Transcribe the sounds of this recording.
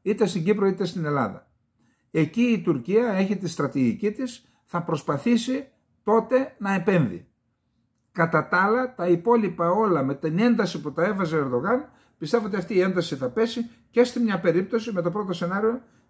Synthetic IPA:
it̪e̞st̪iɲɟipɾo̞it̪e̞st̪ine̞lɐ̰ðɐ̰ | e̞ciːt̪uɾciɐe̞çit̪ist̪ɾɐt̪iʝicit̪is | θɐpɾo̞spɐθisi | t̪o̞t̪e̞nɐe̞pe̞nðḭ | kɐt̪ɐt̪ɐlɐt̪ɐipo̞lipɐo̞lɐme̞t̪ine̞nd̪ɐsiput̪ɐe̞fɐze̞ːɾðo̞ɣɐn | pist̪e̞voot̪iɐft̪iːe̞nd̪ɐsiθɐpe̞si | ce̞st̪imɲɐpe̞ɾip̚t̪o̞sime̞t̪o̞pɾo̞t̪o̞se̞nɐɾio̞

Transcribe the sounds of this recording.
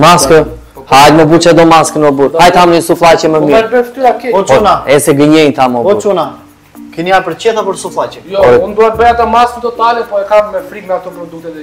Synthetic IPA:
maskə | halməbut͡ʃad̪ɔmaskənɔbuɾhajt̪amnɲəsuflˠat͡ʃɛməmiɛɾbɛft̪yakɛɔt͡ʃpunaɛsɛɡəɲɛjt̪amɔɔuɾt͡ʃuna | kəniapəɾt͡ɕɛd̪apəɾsuflˠat͡ʃɛjɔɔɾund̪uat̪̚bəjat̪amaskət̪ɔt̪alɛpɔɛkammɛfɾikmɛat̪ɔpɾɔd̪uk̚t̪ɛ

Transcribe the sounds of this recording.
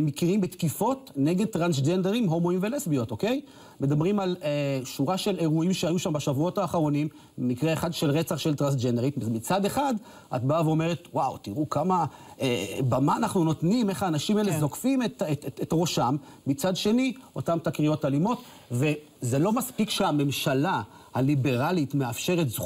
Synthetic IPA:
mːikiʁimbet̪kifo̞tneɡed̚t̪ʁansd͡ʒendeʁimɦo̞moimvelesbio̞toke̞j | me̞damʁimaleʃuʁaʃe̞leʁuimʃeajuʃambaʃavuo̞taːχaʁo̞nim | emikʁeeχadʃelʁet͡saχʃelt̪ʁansd͡ʒendeitazmit͡sade̞χad | ʔa̰tbaaveo̞me̞ʁet̪wawt̪iʁukamaebamaːnaχnuno̞tnime̞χaːnaʃimaelezo̞kfimetetetʁo̞ʃamː | it͡sadʃe̞nio̞tamtakʁio̞talimo̞t | ve̞ | zelo̞maspikʃeame̞mʃala | halibe̞ʁalitmeafʃe̞ʁetz

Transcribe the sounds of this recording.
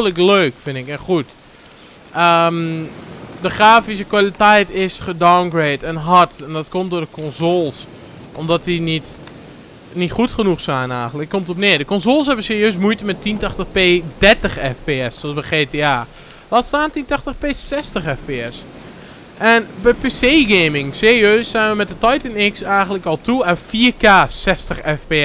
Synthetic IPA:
lək̬løːkfɪnɪkɛnxut | ʔəm | dəxraːfis̬əkwalitɛjtɪsxədawnɡreːtɛnɦɔtɛndɔtkomtdoːdəkʰɔnzoːlˠs | ʔɔmdɔtdinit | nitxutχənuxsaːnaːɣənləkkːomtɔtnɪːdəkɔnzoːlˠshɛbənsɪːrjøːs̬mujtəmɛtːintaxtəxpeːdɛrtəxɛfpeɛssoɔsbəxeːteaː | laːtstaːntintaxtəxpeːsɛstəxɛfpeɛs | ʔɛnbɛpeseːɡeːmɪŋseːriøːsːanʋəmɛt̚dətɔjtənɪksɛjɣəntləkɔlˠtʰuanfiəkaːsɛstəxɛfpe

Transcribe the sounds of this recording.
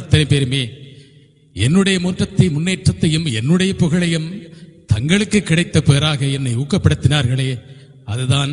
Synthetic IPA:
t̪ːɐnɐɪpeːɾɯmeː | ɛnːɯɽɐjɐmuːnʈrɐt̪ːɐɪmʊnːeːʈrɐt̪ːɐjɯmɛnːɯɽɐjɐpːʊɣɐɭɐjɯmt̪ɐŋɡɐɭɯkːɯkːɪɽɐɪt̪ːɐpeːɾaːɣɐɛnːɐɪuːkːɐpːɐɽɯt̪ːɪnaːɾɣɐɭeː | ɐðɯðaːn

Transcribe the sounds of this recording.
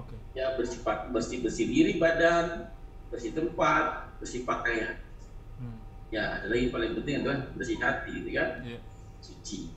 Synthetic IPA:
jabərsipat̪̚bərsibərsidiɾibadan | bərsit̪əmpat̪̚bərsipakajan | ja̰ːdalaɡipalɪŋpənt̪̬ɪŋand̪ulanbərsiɦa̰t̪iɡit̪ukan | sut͡ʃi

